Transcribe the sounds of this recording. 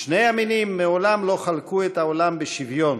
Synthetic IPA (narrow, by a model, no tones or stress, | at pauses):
ʃnejaminimːeolamlo̞χalkuet̪aolambeʃivjo̞n